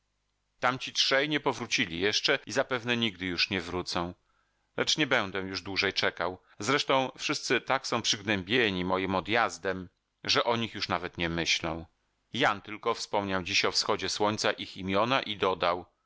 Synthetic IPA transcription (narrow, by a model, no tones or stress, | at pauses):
t̪amt͡ɕitʂɛjɲɛpɔvɾut͡ɕilʲḭjɛʂt͡ʂɛizapɛvnɛɲiɡ̚d̪ɘjuʂɲɛvɾut̪sɔ̃w̃ | lɛt͡ʂɲɛbɛnd̪ɛ̃juʐd̪wuʐɛjt͡ʂɛkaw | zɾɛʂt̪ɔ̃w̃fʂɘst̪sɘt̪aksɔ̃w̃pʂɘɡnɛmbʲjeɲimɔjimɔd̪jazd̪ɛm | ʐɛʔɔɲixjuʂnavɛt̪ɲɛmɘɕlɔ̰̃w̃ | jant̪ɘlkɔfspɔmɲawd͡ʑiɕɔfsxɔd͡ʑɛswɔɲʲt̪saʔiximʲjɔnaʔid̪ɔd̪aw